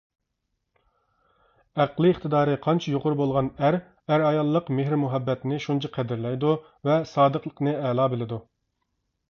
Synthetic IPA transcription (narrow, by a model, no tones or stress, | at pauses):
æqlˠɨːχt̪ʰɨd̪ɑːɾɨqʰɑnt͡ʃʰɑjoqʊɾbolˠʁɑnæɾ | æɾɑjɑlˠːəqmeɦɾmuɦɛbːɛt̪nɪʃunt͡ʃʰɑqʰɛd̪ɪɾlɛjd̪u | vɛsɑːd̪əqlˠəqnɨɛlˠɑːbɪlɪd̪u